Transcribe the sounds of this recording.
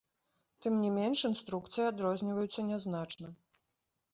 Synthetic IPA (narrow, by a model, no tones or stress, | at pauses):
t̪ɨmnʲimʲenʂɨnst̪ɾukt̪sɨjad̪ɾɔzʲnʲivɐjut̪sːɐnʲɛznat͡ʂnɐ